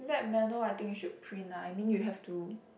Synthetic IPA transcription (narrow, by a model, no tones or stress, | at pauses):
vɛt̚mɛnəajt̪ɪ̃ŋkjuʃud̚pʰɹĩnajmĩnjuɦɛftu